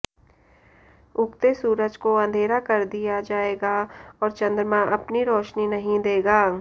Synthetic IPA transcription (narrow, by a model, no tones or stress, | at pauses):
ʊkt̪esuːɾəd͡ʒkoɐ̃nd̪ʱeːɾakɐɾd̪ijad͡ʒaːeːɡaɔːɾt͡ʃɐ̃nd̪ɾəmãʔɐpniɾɔːʃninɐɦĩd̪eːɡaː